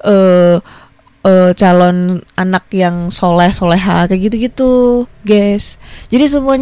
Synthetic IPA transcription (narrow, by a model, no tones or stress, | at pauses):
ʔə | ət͡ʃalɔnanak̚jaŋsolɛhsolɛɦakaɡit̪uɡit̪uɡɛsd͡ʒadis̬əmuaɲ